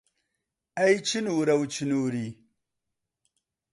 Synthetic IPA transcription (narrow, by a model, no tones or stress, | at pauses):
ajt͡ʃinuɾawt͡ʃinuɾi